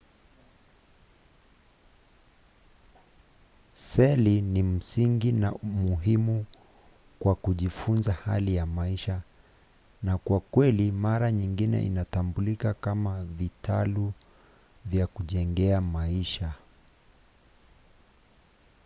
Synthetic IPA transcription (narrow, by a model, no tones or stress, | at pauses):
sɛlinim̩siŋɡinaumuɦimu | kwakuʄifunzahalijamaiʃa | nakwakwɛlimaɾaɲiŋɡinɛ̰ʔḭnatambulikakamavitalu | vjakuʄɛŋɡɛamaiʃa